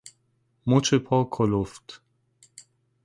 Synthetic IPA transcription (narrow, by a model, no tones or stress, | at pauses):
mot͡ʃepʰɔkʰoloft̪